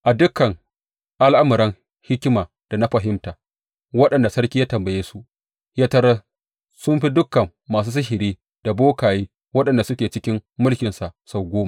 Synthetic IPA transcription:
ʔa˨dʊ˦kːɐ˨ŋ | ʔa˦lʔa˦mɐ˨ɾɐ˦ŋ | hɪ˦kʲɪ˦maː˨ | d̥a˨na˦ɸɐ˨ɦɪ˦mtaː˨ | wɐ˦ɗɐ˨nda˨sɐ˦ɾkʲi˦jaː˦tɐ˨mbɐ˨jeː˦su˦ | jaː˦tɐ˦ɾa˦ | sʊ˦mɸi˦dʊ˦kɐ˨mːaː˨s̬uː˦s̬ɪ˦ʃɪ˨ɾiː˦ | d̥a˨boː˦kaː˨jeː˦ | wɐ˦ɗɐ˨nda˨sʊ˦kʲeː˨t͡ʃɪ˦kʲɪ˦mːʊ˦lkʲɪ˨nsa˨sa˨wɡʷoː˦ma˨

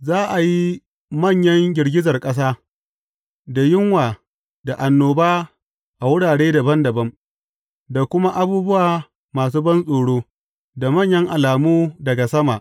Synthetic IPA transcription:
zaː˦ʔa˨ji˦ | mɐ˦˨ɲjɐ˦ŋɡʲɪ˨rɡʲɪ˦zɐ˨rkʼɐ˦s̬aː˦ | da˨jɪ˦ŋwaː˨ | da˨ʔa˨nːoː˨baː˦ | ʔa˨wʊ˦ɽaː˨ɽeː˦da˨bɐ˦ndɐ˨bɐ˦m | da˨kʷʊ˦ma˦ʔa˦buː˦bʊ˦waː˨ | maː˨s̬uː˦bɐ˦nsʼoː˨ɽoː˦ | da˨mɐ˦˨ɲjɐ˦ŋʔa˨laː˨muː˦dɐ˨ɡa˨sɐ˦ma˨ʔ

